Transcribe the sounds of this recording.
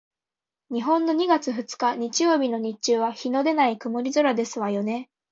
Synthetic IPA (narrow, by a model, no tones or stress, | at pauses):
ɲ̟iɦõ̞nːo̞ɲ̟iɡat͡sɨɸɯ̟t͡sɨ̥kaɲ̟it͡ɕijo̞ːbʲino̞ɲ̟it͡ɕɨːβaçino̞d̪e̞naikɯ̟moɾʲizɨɾad̪e̞sɨβajo̞ne̞